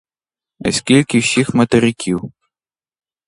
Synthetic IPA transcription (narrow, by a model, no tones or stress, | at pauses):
ɐ̰sʲkʲilʲkʲiwsʲixmɐt̪ɐɾʲɪkʲʰiw